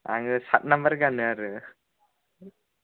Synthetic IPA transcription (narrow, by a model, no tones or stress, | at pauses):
a̰ŋsat̚nambəɾɡanɯaɾɯ